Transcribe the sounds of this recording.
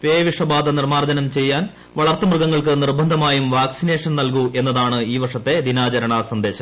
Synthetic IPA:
peːʋiʂɐbaːd̪ʱɐnirmaːrd͡ʑɐnɐmt͡ɕe̞jːaːn | ʋɐɭɐrt̪ːɐmrɨɡɐŋːɐɭkɨnirbʱɐnd̪ʱɐmaːjumʋaːksine̞ːʂɐnnɐlk̬uʔe̞nːɐðaːɳɨiːʋɐʂɐt̪ːe̞d̪inaːt͡ɕɐɾɐɳɐsɐnd̪e̞ːɕɐm

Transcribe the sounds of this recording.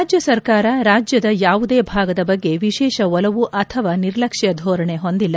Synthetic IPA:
d͡ʒjɐsɐɾkaːɾɐɾaːd͡ʒjɐd̪ɐjaːʋud̪eːbʱaːɡɐd̪ɐbɐɡːe̞ʋiʃɛːʃɐɔlɐʋuʔɐt̪ʰɐʋaːniɾlɐkʂijɐd̪ʱɔːɾɐɳeɦond̪ilːɐ

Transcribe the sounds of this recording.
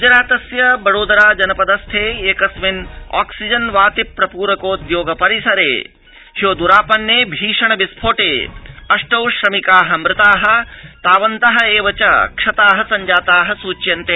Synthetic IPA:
ɡʊd͡ʒɐɾaːt̪ɐsjɐbɐɾoːd̪ɐɾaːd͡ʒɐnɐpɐd̪ɐst̪ʰeːeːkɐsʋina̰ːksid͡ʒɐnʋaːt̪ipːɾɐpuːɾɐkoːd̪joːɡɐpɐɾisɐɾḛː | hjoːd̪uɾaːpɐnjeːbʱiːʂɐɳɐbispʰoːʈeːɐʂʈɐwʃɾɐmikaːɦɐmɾɪt̪aːɦɐ̆t̪aːʋɐnt̪ɐɦɐ̆eːʋɐt͡ʃɐkʂɐt̪aːɦɐsɐɲd͡ʒaːt̪aːɦɐsuːt͡ʃjɐnt̪eː

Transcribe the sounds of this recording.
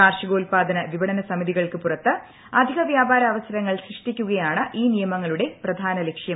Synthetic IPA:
aːrʂɐɡoːlpaːd̪ʱɐnɐʋibɐɽɐnɐsɐmiðiɣɐɭkɨpurɐt̪ːɨ | ɐd̪ʱiɣɐʋjaːbaːɾɐːʋɐsɐɾɐŋːɐɭsrɨʂʈikʲːuɣɐjaːɳɨʔiːnijɐmɐŋːɐɭuɽe̞prɐd̪ʱaːnɐlekʂjɐm

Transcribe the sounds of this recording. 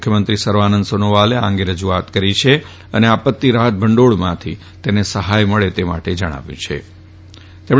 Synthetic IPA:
kʰjəmənt̪ɾisəɾʋanənd̪sonoʋaleã̰ŋɡeɾəd͡ʒuat̪kəɾit͡ʃʰe | əneapət̪ːiɾaɦət̪̚bʱəɳɖoɭmãt̪ʰi | t̪enesəɦajməɭet̪ema̰ʈed͡ʒəɽ̃a̰ʋjṵ̃t͡ʃʰḛ | t̪em

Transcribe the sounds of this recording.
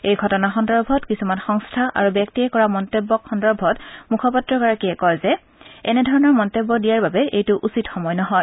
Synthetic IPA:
ejɡʱɔtɔnaxɔndɔɹbʱɔtkisumanxɔŋstʰaʔa̰ɹubjɔk̚tiɛkɔɹamɔntebːɔkxɔndɔɹbʱɔtmukʰɔpatɹɔkaɹakiɛkɔjzɛ | ɛnɛdʱɔɹɔnɔɹmɔntebːɔdijaɹbabɛejtʊʔusitxɔmɔjnɔɦɔj

